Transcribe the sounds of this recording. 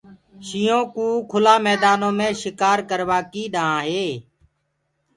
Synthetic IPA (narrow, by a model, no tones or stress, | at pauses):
ʃɪːõːkũːkʰʊlãːmɛːd̪aːnõːmẽːʃɪkaːɾkəɾʋaːkiːɗaãːɦeː